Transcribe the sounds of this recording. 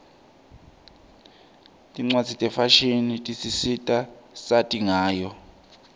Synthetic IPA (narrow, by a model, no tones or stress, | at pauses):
tʼiŋ͡ǀwadd͡zʱitʼɛfaʃinitʼisisitʼasatʼiŋaːjɔ